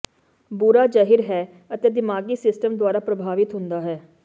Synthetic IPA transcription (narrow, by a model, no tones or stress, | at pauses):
buɾaːd͡ʒaːɦɪɾɦɛː | ət̪eːd̪ɪmaːɡiːsɪsʈəmd̪ʊaːɾaːpɾəbʱaːʋɪt̪ɦʊ̃nd̪aːɦɛː